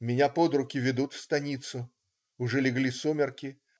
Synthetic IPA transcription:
mʲɪnʲapo̞d̪ɾʊkʲɪvʲɪd̪ut̪fst̪ɐnʲit̪sʊ | ʊʐɛlʲɪɡlʲisumʲɪrkʲɪ

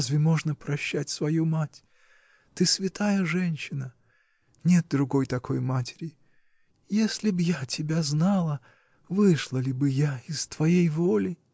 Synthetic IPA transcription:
zvʲɪmo̞ʐnəpɾɐɕːætʲsvɐjumatʲ | t̪ɨsvʲɪt̪ajəʐɛnʲɕːɪnə | nʲe̞t̪̚d̪ɾʊɡo̞jt̪ɐko̞jmatʲɪ̥ɾʲɪ | jesʲlʲɪbɨjatʲʰɪbʲaznɑlˠə | vɨʂlˠəlʲɪbɨjaɪst̪vɐjejvolʲɪ

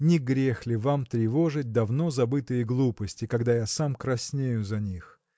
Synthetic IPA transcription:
nʲɪɡɾʲexlʲɪvamt̪ɾʲɪvo̞ʐɨt̚ʲd̪ɐvno̞zɐbɨt̪ɨjəɡlˠupəsʲtʲɪkɐɡd̪ajasamkɾɐsʲnʲejʊzɐnʲix

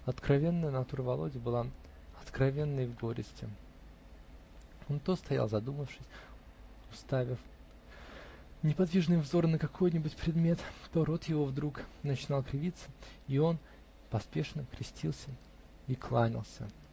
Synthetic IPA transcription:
ɐt̪kɾɐvʲe̞nːəjənɐt̪uɾəvɐlˠo̞dʲɪbɨlˠa | ɐt̪kɾɐvʲe̞nːəjvɡo̞ɾʲɪ̰sʲtʲɪ | ont̪o̞st̪ɐja̰lˠzɐd̪uməfʂɨsʲ | ʊst̪avʲɪf | nʲɪpɐd̪vʲiʐnɨjvzo̞ɾnəkɐkʰo̞jnʲɪbʊtʲpɾʲɪd̪mʲe̞t̪t̪o̞ɾo̞t̪jɪvo̞vd̪ɾuknət͡ɕɪnɑlˠkɾʲɪvʲit̪sːə̥io̞n | pɐspʲe̞ʂnəkɾʲɪsʲtʲilˠsʲə | iklˠanʲɪ̰lˠsʲə̰

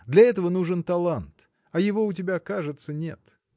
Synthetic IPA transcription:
d̪lʲɐɛt̪əvənuʐɨnt̪ɐlˠant̪ | ɐjɪvo̞ʊt̬ʲɪbʲakaʐɨt̪sənʲḛt̪

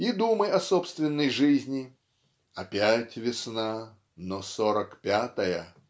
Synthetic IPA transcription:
id̪uməjɐsopst̪vʲɪnːəjʐɨzʲnʲɪ | ɐpʲætʲvʲɪsna | nosoɾəkpʲat̪əjə

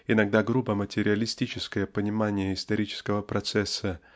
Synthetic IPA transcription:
ɪnɐɡ̚d̪aɡrubəmətʲɪɾʲɪɐlʲɪsʲtʲit͡ɕɪskəjəpənʲɪmanʲɪjəɪst̪ɐɾʲit͡ɕɪ̥skəvəpɾɐt̪sɛsːə

